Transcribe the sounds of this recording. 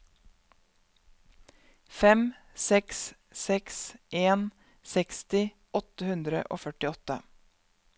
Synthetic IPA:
fɛm | sɛks | sɛksʔeːn | sɛkst̪ɪ | ɔt̪əhʉnd̪ɾə̰ʔo̰ːfœʈɪɔt̪ə

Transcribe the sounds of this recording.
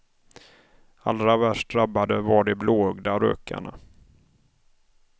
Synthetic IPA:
alɾavæʂʈɾabːad̪əvaɖɛbloːœɡd̪aɾø̰ːka̰ɳa̰

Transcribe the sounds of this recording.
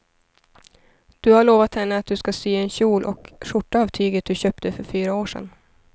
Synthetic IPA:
d̪̥ɵhaɭoːvat̪hɛnːəat̪̚d̪ɵskasyːɛnɕuːlʔɔkʂʊʈːaːvt̪ʰyːɡət̪̚d̪ɵɕøːp̚t̪ʰəfœɾfyːɾaoːʂɛ̰n

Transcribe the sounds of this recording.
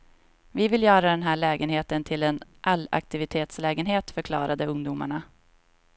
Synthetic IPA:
vɪvɪljœːɾad̪ɛnɦæːɭɛːɡənɦeːt̪ənt̪ʰɪlɛnʔalːa̰k̚t̪ɪvɪt̪ʰeːt̪slɛːɡənɦeːt̪fœɾkʰlɑːɾad̪əɵŋd̪ʊma̰ɳa

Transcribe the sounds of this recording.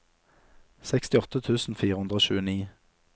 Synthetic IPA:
sɛkst̪ɪɔt̪ət̪ʰʉːsn̩fiːʁəʉnd̪ʁəoːʃʉːəniː

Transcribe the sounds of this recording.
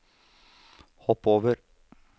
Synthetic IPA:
hɔpoːʋəɾ

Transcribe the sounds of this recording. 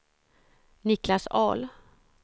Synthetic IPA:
nɪklasɑ̰ːl

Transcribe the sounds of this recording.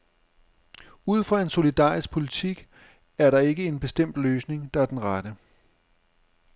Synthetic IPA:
uð̞̰ˠfʁɑ̈e̝nso̝lid̥ɑ̰̈ːʁisɡ̥̚pʰo̝lit͡sʰiɡ̥ | æɐɾɑ̈e̝ɡ̥əe̝nb̥e̝sd̥em̰d̥løːsne̝ŋd̥ɑ̈æɐd̥enʁaɾ̥ə

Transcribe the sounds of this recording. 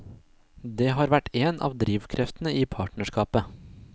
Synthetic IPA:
d̪eːhɑːɾʋæʈeːnʔɑ̰ːʋd̪ɾiːʋkʰɾʔɛft̪n̩əiːpʰɑːʈnəʃkɑːpə

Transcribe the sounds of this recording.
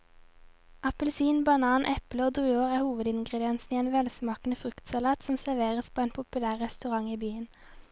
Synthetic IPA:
ɑpəlsiːnbɑnɑːnʔɛpləoːd̪ʁʉːoːʁæːhuːʋəd̪ɪnɡʁəd̪ɪɛnsniːeːnʋɛlsmɑːknəfʁʉkt̪sɑlɑːt̪sɔmsæʋeːʁəspʰoːeːnpʰʊpʉlæːʁʁɛst̪ʉʁɑŋiːbyːən

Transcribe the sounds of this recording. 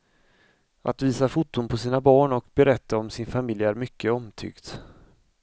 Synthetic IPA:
ʔa̰t̪viːsafʊt̪ːʊnpʰɔsiːnabɑːɳɔkbɛɾɛt̪ːaɔmsɪnfamɪljæɾmʏkːəɔmt̪ʰʏ̰ɡt̪

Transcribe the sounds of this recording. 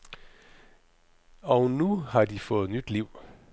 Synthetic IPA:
ɒʊnuhɑ̈difɔ̽ːð̩ˠnyd̥liʊ̰

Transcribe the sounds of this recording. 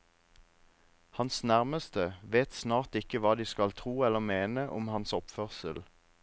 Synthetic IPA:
hɑnsnæʁməst̪əʋeːt̪snɑːʁt̪ɪkəʋɑːd̪iːskɑlt̪ʰʁuːɛlːəmeːnəʔʊmhɑnsɔpfœʁsəl

